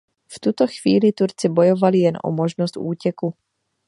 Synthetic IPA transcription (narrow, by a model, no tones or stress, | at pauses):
ft̪ut̪oxv̥iːlɪt̪uɾt͡sɪbo̞jovalɪjɛnʔo̰moʒnost̪ʔuːcɛku